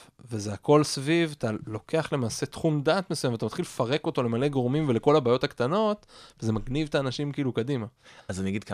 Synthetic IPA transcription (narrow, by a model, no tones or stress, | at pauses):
vezeako̞lsvivat̪alo̞ke̞aχle̞maːse̞t̪χumdat̪mesujamveat̪amat̪χilefaʁe̞ko̞t̪o̞le̞maleɡoʁmimve̞leko̞labaːjo̞t̪akt̪ano̞t̪veze̞maɡnivt̪aːnaʃimkiːlukadimaazaniaɡid̪̚k